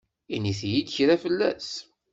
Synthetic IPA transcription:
iniθjid̪çɾæfəlːæ̰s

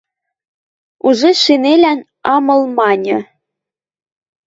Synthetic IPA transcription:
uʒeʃinelæn | ɑmɤ̆lˠmɑnʲɤ̆

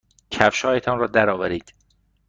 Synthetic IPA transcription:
cʰæfʃɒːjet̪ʰɒːnrɒːd̪æɾɒːvæɾiːd̪̥

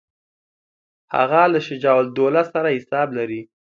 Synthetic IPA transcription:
ha̰ɣalaʃɪd͡ʒɑwald̪olasaɾahɪsɑblaɾi

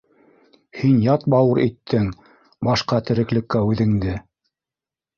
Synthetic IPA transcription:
hinjɑt̪̚bɑwɤɾit̪ʰːɘŋ | bɑʃqɑt̪ɘ̆ɾɘ̆klɘ̆kːæʉðɘ̆ŋd̪ɘ

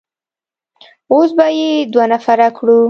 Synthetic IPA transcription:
osbajed̪wanafaɾakɽu

